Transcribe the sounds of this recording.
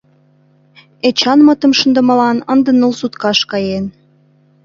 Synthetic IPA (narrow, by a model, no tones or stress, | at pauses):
et͡ɕɑnmət̪ə̆mʃənd̪ə̆mə̆lɑnənd̪ə̆nəlsut̪kɑʃkɑjen